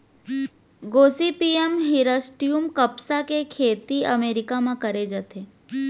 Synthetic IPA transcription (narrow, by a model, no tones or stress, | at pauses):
ɡoːsipiːemɦɪɾəsʈijumkɐpsakekʰeːt̪iɐmeːɾɪkamãkɐɾed͡ʒət̪eː